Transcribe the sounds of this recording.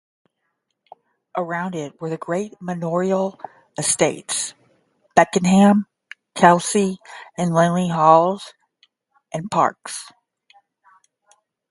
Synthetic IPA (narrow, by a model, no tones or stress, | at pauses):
ʔə˞ãʊ̃ndɪt̚wə˞ðɨɡɹeɪt̚mɨnɔɹil̩ˠ | ɨsteɪts | b̥ɛkɨ̃nɦæ̃m | kʰælˠsiɨ̃nlɛ̃nliɦɔlˠz̥ | ʔɨ̃npʰɑ̰ɹks